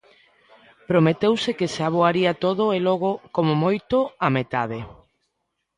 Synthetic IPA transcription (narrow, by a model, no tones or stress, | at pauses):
pɾomet̪ewsekeseaβ̞oaɾiat̪oðoeloɣ̞okomomojt̪oamet̪aðe